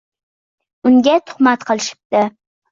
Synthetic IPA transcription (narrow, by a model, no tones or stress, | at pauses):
ʊŋɡʲat̪ʰʊ̥χmat̪qʰɨlˠɪʃɪ̥p̚t̪ɪ